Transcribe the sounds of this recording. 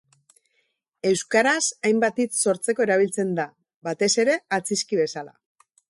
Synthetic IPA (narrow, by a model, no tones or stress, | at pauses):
e̞wskaɾasajmbat̪it͡sso̞ɾt͡se̞ko̞e̞ɾaβ̞ilt͡se̞nd̪a | βat̪e̞se̞ɾe̞at͡siskiβe̞sala̰